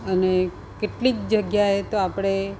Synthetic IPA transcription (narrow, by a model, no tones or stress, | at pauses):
əne | keʈlik̚d͡ʒəɡjaɦet̪oapɽ̃e